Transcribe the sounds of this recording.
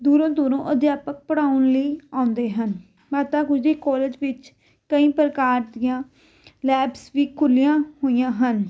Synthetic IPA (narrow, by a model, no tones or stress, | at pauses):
d̪uːɾõːd̪uːɾõːʔəd̪jaːpək̚pəɽaːʊnliːãːʊ̃nd̪eːɦən | maːt̪aːɡʊd͡ʒdeːkɔːleːd͡ʒʋɪt͡ʃ | kəĩːpəɾəkaːɾd̪ɪjãː | lɛːbsʋiːkʰʊlɪjãːhoːijãːɦən